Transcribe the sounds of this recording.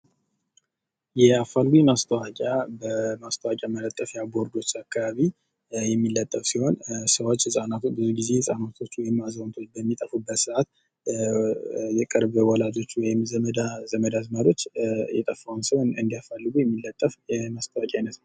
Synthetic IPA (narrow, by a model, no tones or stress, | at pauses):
jɛafːalɡujɛmast̪ʰəwakʼjabəmast̪ʰəwakʼjamələt̪ʼːəfjabo̞ɾd̪o̞t͡ʃːakʰːaβaβi | jɛmːilːət̪ʼːəfsiho̞nsəwo̞t͡ʃːhɨsʼanat̪bɨzuɡize̞hɨsʼanat̪ʰo̞t͡ʃːwɔjɪmːazənt̪ʰo̞t͡ʃːbəmːit̪ʼəfubːət̪sɨʔat̪ | jɛkʼəɾbəwɔlad͡ʒo̞t͡ʃːwɔjɪmzəməd̪azəməd̪azmad̪o̞t͡ʃːjɛt̪ʼəfawnsəwnɨ̰nd̪ijafalːɨɡujɛmːilːət̪ʼːəfjɛmast̪ʰəwakʼjajnəsnəw